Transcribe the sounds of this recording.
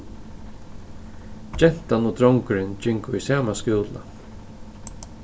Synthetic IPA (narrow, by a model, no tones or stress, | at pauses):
d͡ʒɛl̥t̪anud̪ɾɔŋkʏɾɪnd͡ʒɪŋkʊisaːmaskuːla̰